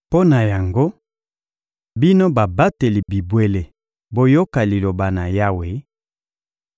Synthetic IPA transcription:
po˦na˨ja˨ŋɡo˦ | bi˦no˦ba˨ba˦te˨li˨bi˨bwe˦le˨ | bo˦jo˦ka˨li˨lo˨ba˨na˨ja˦we˨˦

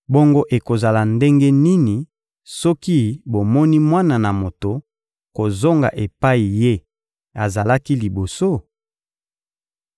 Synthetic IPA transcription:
bo˦ŋɡo˦ʔe˨ko˨za˨la˨nde˦ŋɡe˦ni˦ni˨ | sɔ˦ki˦bo˨mɔ˦ni˦mwa˦na˨na˨mo˨to˨ | ko˨zo˦ŋɡa̰˨ʔe˨pa˦i˨je˦ | a˨za˨la˦ki˦li˨bo˨so˦

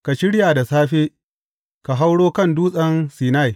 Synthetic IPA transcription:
ka˨ʃɪ˦ɽjaː˨da˨saː˦ɸeː˦ | ka˨ɦa˦wɽoː˦kɐ˦˨nduː˦sʼɐ˦nsiː˨na˦˨j

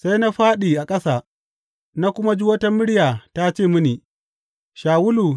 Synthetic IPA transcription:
sa˦jna˦ɸaː˦ɗiː˨ʔa˨kʼɐ˦saː˨ | na˦kʷʊ˦ma˦d͡ʒi˦wɐ˦tɐ˦mːɪ˦ɽɪ˦jaː˨ta˦t͡ʃeː˦˨mɪ˦niː˨ | ʃaː˨wʊ˦lu˨

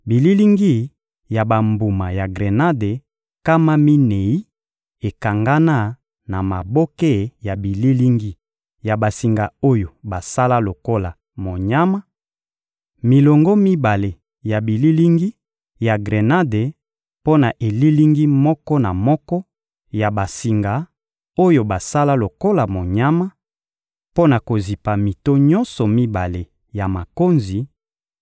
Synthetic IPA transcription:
bi˨li˦li˦ŋɡi˦˨ | ja˨ba˨mbu˨ma˨ja˨ɡʁe˨na˦de˨ | ka˦ma˦mi˦ne˨i˦ | e˨ka˨ŋɡa˦na˦˨ | na˨ma˨bo˦ke˦ja˨bi˨li˦li˦ŋɡi˦ | ja˨ba˨si˨ŋɡa˨o˦jo˨ba˨sa˦la˦lo˨ko˦la˨ | mo˨ɲa˦ma˦ | mi˨lɔ˨ŋɡɔ˦mi˦ba˨le˨ | ja˨bi˨li˦li˦ŋɡi˦ | ja˨ɡʁe˨na˦de˨ | po˦na˨ʔe˨li˦li˦ŋɡi˦mɔ˦kɔ˦na˨mɔ˦kɔ˦ | ja˨ba˨si˨ŋɡa˨ | o˦jo˨ba˨sa˦la˦lo˨ko˦la˨mo˨ɲa˦ma˦ | po˦na˨ko˨zi˨pa˨mi˨to˦ɲɔ̃˦nsɔ˨mi˦ba˨le˨ | ja˨ma˨ko˦nzi˨

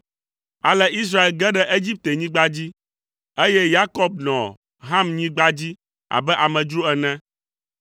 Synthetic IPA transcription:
a˨lɛ˦i˦s̬ɾa˦e˨lɡɛ˦ɖɛ˦ʔe˦d͡ʑi˦p̚t̪e˨ɲĩ˦ɡ͡ba˦d͡ʑi˦ | e˦jɛ˦ja˦kɔ˦b̚nɔ̰̃˨ | ɦã˦mɲĩ˦ɡ͡ba˦d͡ʑi˦ | a̰˨bɛ˦ʔa˨mɛ̃˨d͡ʒɾu˦ɛ˨nɛ̃˦

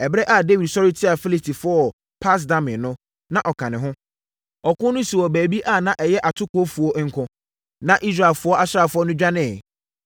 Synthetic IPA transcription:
ɛ˨bɾɛ˦ʔa˨de˦wi˨dsɔ˦ɾɪ˦tʰi˦a˨fi˦li˦stʰi˨fʊ˦ɔ˨ | pʰa˦s̬dã˦mɪ̃˨nʊ̃˦ | nã˨ʔɔ˨kʰã˨nɪ̃˨ɦʊ̃˦ | ɔ˨kʊ̃˦nʊ̃˦si˨wɔ˨bæː˨bi˦ʔa˦˨nã˨ʔɛ˨jɛ˦ʔa˨tʰʊ˦kʊ˦o˦fu˨ɔ˦ŋ̩˦kʰʊ̃˦ | nã˨ʔi˦s̬ɾa˨lfʊ˦ɔ˦ʔa˦sɾa˨fʊ˦ɔ˦nʊ̃˦d͡ʑᶣa˦nɪ̃˦˨

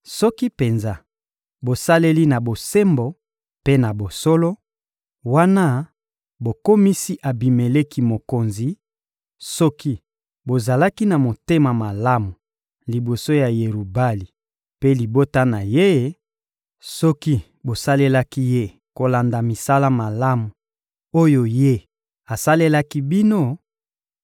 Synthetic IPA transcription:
sɔ˦ki˦pe˨nza˦ | bo˨sa˦le˦li˦na˨bo˨se˦mbo˨ | pe˦na˨bo˨so˦lo˦ | wa˦na˦ | bo˨ko˦mi˦si˦ʔa˨bi˨me˨le˦ki˦mo˨ko˨nzi˨ | sɔ˦ki˦ | bo˨za˨la˦ki˦na˨mo˨te˦ma˨ma˨la˦mu˨ | li˨bo˨so˦ja˨je˨ʁu˨ba˦li˨ | pe˦li˨bo˦ta˦na˨je˦ | sɔ˦ki˦ | bo˨sa˦le˦la˦ki˦je˦ | ko˨la˨nda˨mi˨sa˦la˦ma˨la˦mu˨ | o˦jo˨je˦ | a˨sa˦le˦la˦ki˦bi˦no˦˨

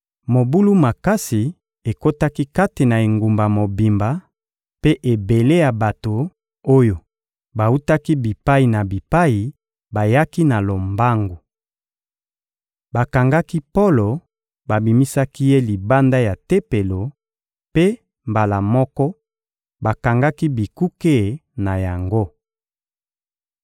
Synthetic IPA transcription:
mo˨bu˦lu˦ma˨ka˦si˨ | e˨ko˦ta˦ki˦ka˦te˨na˨e˨ŋɡu˨mba˨mo˨bi˨mba˨ | pe˦ʔe˨be˨le˦ja˨ba˨to˨ | o˦jo˨ | ba˨u˦ta˦ki˦bi˨pa˦i˨na˨bi˨pa˦i˨ | ba˨ja˦ki˦na˨lo˨mba˦ŋɡu˨ | ba˨ka˨ŋɡa˦ki˦po˦lo˨ | ba˨bi˨mi˦sa˦ki˦je˦li˨ba˦nda˦ja˨te˦pe˨lo˨ | pe˦ | mba˨la˨mɔ˦kɔ˦ | ba˨ka˨ŋɡa˦ki˦bi˨ku˦ke˦˨na˨ja˨ŋɡo˦

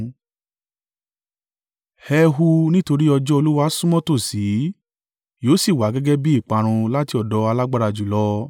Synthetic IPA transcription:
hɛ˧ɦu˧nĩ˦to˧ɾi˦ɔ˧d͡ʒɔ˦o˧lu˦wa˧˦sũ˦mɔ̃˦to˦˨si˨˦ | joː˨˦si˦˨wa˨˦ɡɛ˦ɡɛ˦bi˦i˦˨k͡pa˧ɾ̃ũ˧la˦ti˧ɔ˨dɔ˧˦a˧la˦ɡ͡ba˦˧ɾa˧d͡ʒu˨lɔ˦

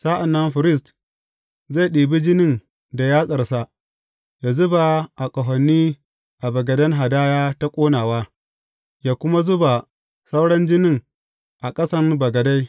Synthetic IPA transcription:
saː˦ʔa˨nːɐ˦nɸɪ˨ɾɪ˦˨s̬t | za˦˨ɗiː˨bi˦d͡ʒɪ˦nɪ˦˨n | da˨jaː˦sʼɐ˨rsa˦ | jaː˨zʊ˦ba˨ʔa˨kʼɐ˨ɦɔ˨nːiː˦ | ʔa˨bɐ˨ɡɐ˨dɐ˦ŋɦa˨daː˦jaː˦ta˦kʷʼoː˦naː˨waː˦ | jaː˦kʷʊ˦ma˦zʊ˦ba˨ | sa˦wɽɐ˦nd͡ʒɪ˦nɪ˦˨ŋ | ʔa˨kʼɐ˦sɐ˦rbɐ˨ɡɐ˨da˦j

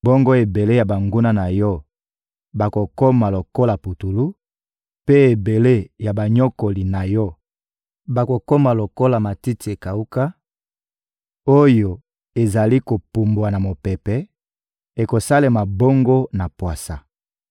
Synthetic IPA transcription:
bo˦ŋɡo˦e˨be˨le˦ja˨ba˨ŋɡu˦na˦na˨jɔ˦ | ba˨ko˨ko˦ma˨lo˨ko˦la˨pu˨tu˨lu˦ | pe˦e˨be˨le˦ja˨ba˨ɲɔ˦ko˨li˨na˨jɔ˦ | ba˨ko˨ko˦ma˨lo˨ko˦la˨ma˨ti˦ti˨e˨ka˨u˦ka˦ | o˦jo˨ | e˨za˨li˦ko˨pu˨mbwa˨na˨mo˨pɛ˨pɛ˨ | e˨ko˨sa˦le˨ma˨bo˦ŋɡo˦na˨pwa˨sa˨

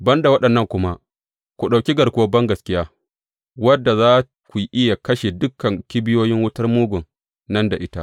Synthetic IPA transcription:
bɐ˦nda˨wɐ˦ɗɐ˨nːɐ˦˨ŋkʷʊ˦ma˦ | kʷu˨ɗa˨kʲi˦ɡɐ˨ɾkʷʊ˦o˦bɐ˦ŋɡɐ˨skʲɪ˦jaː˦ | wɐ˦dːa˨zaː˦ | kʷu˨ʔɪ˦ja˨kɐ˦ʃe˨dʊ˦kʰːɐ˨ŋkʲi˦bɪ˦joː˦jɪ˦ŋwʊ˦tɐ˦rmuː˦ɡʷʊ˨n | nɐ˦nda˨ʔɪ˦ta˦ʔ

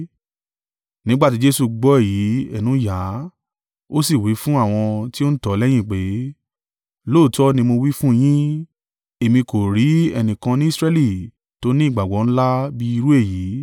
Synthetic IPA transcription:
nĩ˦ɡ͡ba˦˨ti˨˦d͡ʒe˦su˧ɡ͡bɔ˨˦e˦˨ji˨˦ɛ˦˨nũ˨˦ja˨˦ | o˦si˦˨wi˨˦fũ˦a˦˨w̃ɔ̃˧ti˦o˦n̩˦tɔ˨˧˦lɛ˦j̃ĩ˦˨k͡pe˨˦ | lo˦˨tɔ˦nĩ˧mo˧wi˦fũ˦˧j̃ĩ˦ | e˨mĩ˧ko˨ɾi˨˦ɛ̰˧nĩ˨kã˧nĩ˦i˦˨sɾɛ˧˦li˦˨ | to˨˦nĩ˦i˦˨ɡ͡ba˨ɡ͡bɔ˨˦ñ̩˦la˦bi˦i˧ɾu˦e˦˨ji˨˦

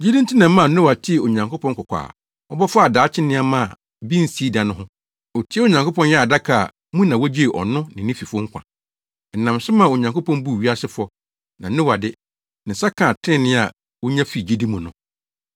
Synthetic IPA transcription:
d͡ʑi˦dĩ˦n˦tʰi˦nã˨m˦mã˦˨˦nʊ̃˦wa˨tʰɪ˦˨o˨ɲã˨ŋkʰo˦pʰɔ̃˦ŋkʰɔ˨kʷʰa̰ː˨ | ɔ˦bɔ˦fʊ˦a˨daː˨˦t͡ɕʰɪ˦nɪ̃˦a˦mã˦˨ | bĩ˦n̩˦si˨˦dã˨nʊ̃˦ɦʊ̃˦ | ɔ˨tʰi˨˦ɛ˦o˨ɲã˨ŋko˦pʰɔ̃˦n˦jɛ˦a˨da˦kʰa̰˨ | mũ˦nã˨wɔ˦d͡ʑi˦e˨ʔɔ̰˨nʊ̃˦nɪ̃˨nɪ̃˦fi˨fʊ˦ʊ˦ŋ̩˦kʰʷã̰˨ | n̩˨nã˨msɪ˦mã˦˨o˨ɲã˨ŋkʰo˦pʰɔ̃˦m˦bu˦˨ɥi˦a˦sɪ˦fɔ˦ | nã˨˦nʊ̃˦wa˨dɪ˦ | nɪ̃˨sa˦kʰã˨tʰɪ̃˦nɪ̃˦a˨ | wɔ˦ɲã˦fi˦˨d͡ʑi˦di˦mũ˨nʊ̃˨

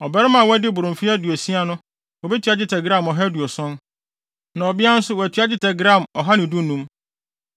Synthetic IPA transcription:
ɔ˨bɛ˦ɾɪ˦mã˨wɔ˦æ˦dɪ˦bʊ˨ɾʊ̃˨fi˦æ˦du˨o˨si˦a˨nʊ̃˦ | wɔ˨bi˦tʰɥa˦d͡ʑɪ˦tʰɛ˨ɡɾã˦˨mɔ˨ɦa˦du˨o˨sɔ̃˦n | nã˨ɔ˨bɪ˦a˦n̩˦sʊ˦wɔ˨æ˨tʰɥa˦d͡ʑɪ˦tʰɛ˨ɡɾã˦˨mɔ˨ɦa˦nɪ̃˨du˦nũ˦m

